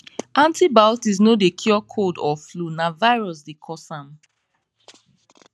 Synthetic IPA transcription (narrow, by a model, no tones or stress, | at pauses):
ãntibaʊtis̬nodekʰjɔkʰodɔflunavaɪɹɔs̬dekʰɔsãm